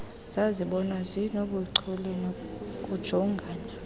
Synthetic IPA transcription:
z̥aziɓɔnwazʷinoɓuǀʰulenkʼud̥ʒ̥ʱɔŋɡʱaːna

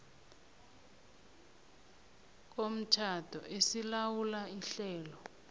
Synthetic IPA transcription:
k̬om̩tʰatʰɔ̰ʔesilawulaiɬɛːlɔ

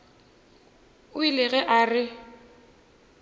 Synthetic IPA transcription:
ʊilɪɣɛʔarɪ

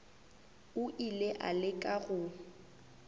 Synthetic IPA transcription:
ʊʔileʔa̰lɪkʼaɣʊ

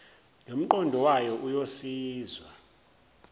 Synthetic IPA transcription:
nom̩ǃɔndʱɔwajɔʔujosiːzwa

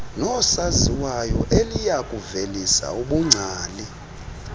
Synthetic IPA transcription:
nɔsaziwajɔʔelijakʼuvelisa̰uɓuŋ͡ǀʱaːli

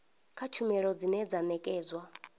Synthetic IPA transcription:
kʰat͡ʃʰumɛɺɔd͡zinɛd͡zanɛkʼɛːzwa

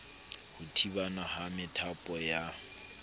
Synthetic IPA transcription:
hʊtʰibanahamɪtʰapʼɔja

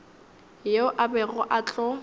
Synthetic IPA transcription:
jeʊʔabɛɣʊʔat͡ɬʼɔ

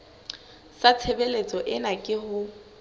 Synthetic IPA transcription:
sat͡sʰebelet͡sʼɔʔɪnakʼɪhʊ

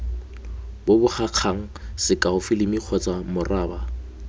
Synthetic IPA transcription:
bobʊk͡xaq͡χʰaŋ̩sɪkʼaʊfɪlɪmiq͡χʰɔt͡sʼamʊraːba

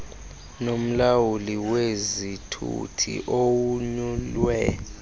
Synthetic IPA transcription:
nom̩lawuliwezitʰṵtʰḭʔowuɲulwɛ

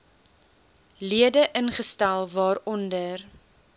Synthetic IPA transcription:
liədəʔənχəstælˠvɑːɾɔndər

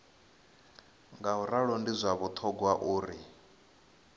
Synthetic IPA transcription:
ŋɡauɾaɺɔndizʷaβut̪ʰɔɡwaʔuːɾi

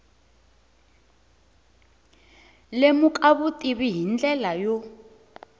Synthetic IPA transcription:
lemukʼaβutʼiβiɦind͡ɮɛlajɔ

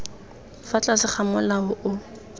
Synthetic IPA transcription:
fat͡ɬʼasɪχamʊlaʊʔʊ

